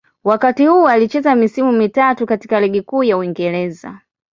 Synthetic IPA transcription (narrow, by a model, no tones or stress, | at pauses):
wakatihuɔalit͡ʃɛzamisimumitatukati̥kalɛɠikuːjauiŋɡɛɾɛza̰